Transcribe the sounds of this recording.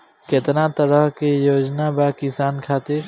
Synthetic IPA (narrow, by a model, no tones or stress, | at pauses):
ket̪nat̪əɾəɦkejoːd͡ʒnabakisankʰat̪iɾ